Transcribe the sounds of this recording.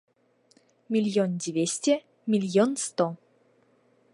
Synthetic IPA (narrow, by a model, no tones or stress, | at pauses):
mʲilʲjondʲivʲesʲtʲe | mʲilʲjonst̪o